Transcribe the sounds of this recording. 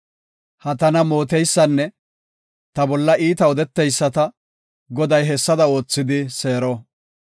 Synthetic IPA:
hɐt̪ɐnɐmo̞ːt̪ɛjsːɐnːɛ | t̪ɐbɔlːɐʔiːt̪ɐɔd̪ɛt̪ːɛjsːɐt̪ɐ | ɡɔd̪ɐjɦɛsːɐd̪ɐo̞ːt͡sːɪd̪ɪse̞ːɾɔ

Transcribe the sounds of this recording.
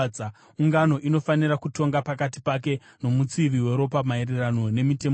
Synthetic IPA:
a | uŋɡano̞ʔino̞fanirakuto̞ŋɡapakati̥pake̞ | no̞mut͡siʋiwe̞ɾo̞pamaererano̞ne̞mite̞m

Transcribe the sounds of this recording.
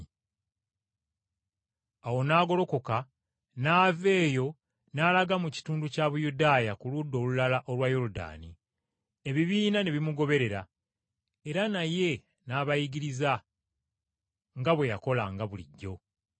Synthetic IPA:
awo̞naːɡo̞lo̞ko̞ka | naːve̞ːjo̞ | naːlaɡamuci̥tuːnducaːβujudaːjakuludːo̞ːlulalaʔo̞lwajo̞ɾuda̰ːni | e̞βiβiːnane̞βimuɡo̞βe̞ɾe̞ɾa | e̞ɾanaje̞ | naːβajiɡiɾiza | ŋɡaβwe̞jako̞laŋɡaβulḭɟːo̞

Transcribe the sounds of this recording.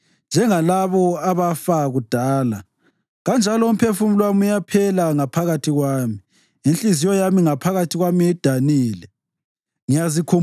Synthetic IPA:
nd͡ʒʱɛŋalaβɔaβafaɣud̥ʱaːla | ɣand͡ʒʱalɔum̩pʰefumilwamujapʰɛlaŋapʰaɣatʰiɣwaːmi | inɬizijɔjamiŋapʰaɣatʰiɣwamiɛd̥ʱaniːlɛ | ŋijazikʰo

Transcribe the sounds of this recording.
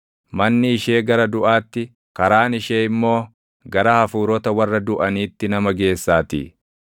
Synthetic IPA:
mɐnːɪːʃe̞ːɡɐɾɐd̪ʊʔaːt̪ːɪ | kɐɾaːnɪʃeːɪmːo̞ː | ɡɐɾɐhɐfuːɾɔt̪ɐwɐrːɐd̪ʊʔɐniːt̪ːɪnɐmɐɡe̞ːsːaːt̪ḭː

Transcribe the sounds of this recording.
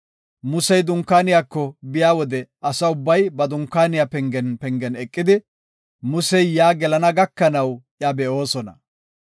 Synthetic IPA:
mʊsɛjd̪ʊŋkːaːnɪjaːkːɔbɪjaːwɔd̪ɛɐsɐʊbːɐjbɐd̪ʊŋkːaːnɪjapɛŋɡɛnpɛŋɡɛnɛkʼːɪd̪ɪ | mʊsɛjjaːɡɛlɐnɐɡɐkːɐnɐwʔjabɛʔo̞ːsɔnɐ̰

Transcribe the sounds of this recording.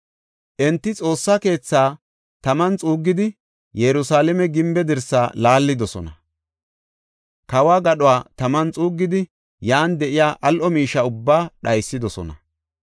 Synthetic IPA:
ʔɛnt̪ːɪt͡sʼo̞ːsːɐke̞ːt͡sːaː | t̪ɐmɐnt͡sʼuːɡːɪd̪ɪ | jɛɾʊsaːlɛmɛɡɪmbɛd̪ɛɾsːaːlaːlːɪd̪ɔsɔ̰nɐ | kɐwaːɡɐɗʊaːt̪ɐmɐnt͡sʼuːɡːɪd̪ɪ | jaːnd̪ɛʔɪjaːʔɐlʔɔmiːʃːɐʊbːaːɗɐjsːɪd̪ɔsɔ̰nɐ̰

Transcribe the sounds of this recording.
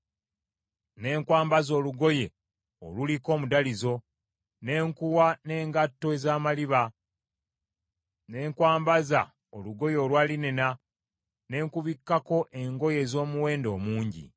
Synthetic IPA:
ne̞ːŋkwaːmbazo̞ːluɡo̞je̞ | o̰luliko̞ːmudalizo̞ | ne̞ːŋkuwane̞ːŋɡatːo̞ezaːmaliβa | ne̞ːŋkwaːmbaza̰ | oluɡo̞jo̞ːlwaːlinena | ne̞ːŋkuβikːako̞ʔe̞ŋɡo̞je̞ːzo̞ːmuwe̞ːndo̞ːmuːɲɟḭ

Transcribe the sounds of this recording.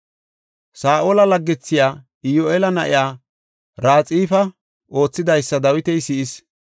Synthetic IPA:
saːʔoːlɐlɐɡːɛt͡sːɪjaː | ɪjoʔelɐnɐʔɪjaː | ɾaːt͡sʼiːfɐ | ʔo̞ːt͡sːɪd̪ɐjsːɐd̪ɐwɪt̪ɛjsɪʔɪs

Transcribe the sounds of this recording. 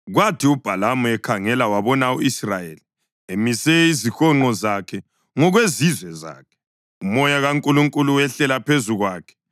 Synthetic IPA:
ɣwatʰiub̥ʱalamuɛkʰaŋɛlawaβɔnauisrajḛli | emisɛizixɔŋ͡ǃɔzakʰɛ | ŋɔɣwezizwɛza̰ːkʰɛ̥ | umɔjaɣaŋkʼuluŋkʼuluwɛɬɛlapʰezuɣwaːkʰɛ̥

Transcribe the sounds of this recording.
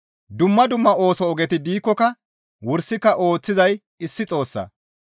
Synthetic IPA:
d̪ʊmːɐd̪ʊmːɐo̞ːsɔɔɡɛt̪ɪd̪iːkːɔkɐ | wʊɾsɪkːɐʔo̞ːt͡sːɪzɐj | ɪsːɪt͡sʼo̞ːsːɐ̰

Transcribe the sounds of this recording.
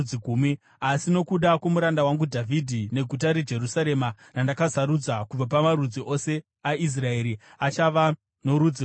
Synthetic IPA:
iɡʱuːmi | asino̞kuɗakwo̞muɾandawaŋɡudʱavʱidʱine̞ɡʱut̬aɾed͡ʒe̞rusaɾe̞ma | nandakasaɾud͡zakub͡vap̬amaɾud͡ziʔo̞se̞ | aʔis̬rae̞ɾi | at͡ʃaʋa | no̞ɾud͡zi

